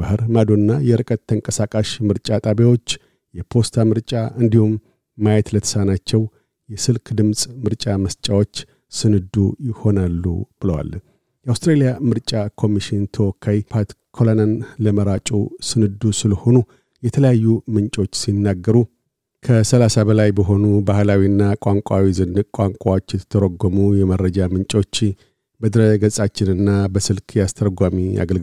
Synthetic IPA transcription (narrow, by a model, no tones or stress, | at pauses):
b̥ahɨɾmad̪oɨnːajɛɾɨkʼət̪ʰːəŋkʼəsakʼaʃmɨɾt͡ʃʼat̪ʼaβawo̞t͡ʃː | jɛpʰo̞st̪ʰamɨɾt͡ʃʼaʔɨnd̪ihumː | ajɛt̪lət̪ʰə̥sanat͡ʃːɛw | jɛsɨlkʰd̪ɨmsʼmɨɾt͡ʃʼaməst͡ʃʼawo̞t͡ʃː | sɨnɨd̪ːujɪho̞nalːṵb̥ɨləwa̰l | jɛʔawst̪ɾelijamɨɾt͡ʃʼakʰo̞miʃɪnt̪ʰəwɔkʰːajipʰat̪kʰolananləməɾat͡ʃʼusɨnɨd̪ːusɨləho̞nu | jɛt̪ʰələjajːumɨnt͡ʃʼo̞t͡ʃːsinːaɡːəɾu | kʰəsəlasabəlajbəɦo̞nubahlawiɨnːakʼaŋkʼawizɨnːɨkʼaŋkʷʼawo̞t͡ʃːjɛt̪ʰə̥t̪ʰːəɾoɡːomujɛmərːəd͡ʒamɨnt͡ʃʼo̞t͡ʃː | bəd̪ɨɾəɡəsʼat͡ʃːɪnɨnːabəsɨlkʰjɛast̪ʰəɾɡʷamia̰ɡəlɡ